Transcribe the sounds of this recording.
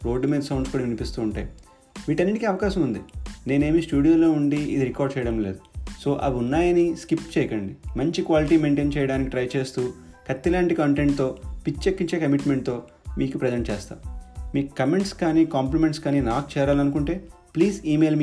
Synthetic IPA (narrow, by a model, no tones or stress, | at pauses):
ɾo̞ːɖːumiːd̪ɐsɐwɳɖskuːɽɐʋinipist̪uːɳʈa̰ːji | ʋiːʈɐnːiʈikiɐʋɐkaːʃɐmund̪ine̞ːne̞ːmisʈuːɽijoːlo̞ːuɳɖiid̪iɾikaːɾɖ̚t͡ʃɛːjɐɽɐmle̞ːd̪uso̞ːʔɐʋiunːaːjɐniskipʈt͡ʃɛjɐkɐɳɖimɐɲt͡ʃikʋaːliʈiːme̞ːɳʈe̞ːnt͡ʃɛːjɐɽaːnikiʈɾɐjt͡ʃe̞ːst̪uːkɐt̪ːilaːɳʈikɐɳʈeɳʈ̚t̪o̞ːpit͡ʃːt͡ʃekːiɲt͡ʃe̞ːkɐmiʈmeɳʈ̚t̪o̞ː | miːkupɾɐd͡ʒeɳʈ̚t͡ʃɛːst̪a̰ːmiːkukːɐme̞ɳʈskaːniːkaːmplimeɳʈskaːniːnaːk̚t͡ʃɛːɾaːlɐnukuɳʈe̞ː | pliːziːme̞ːlm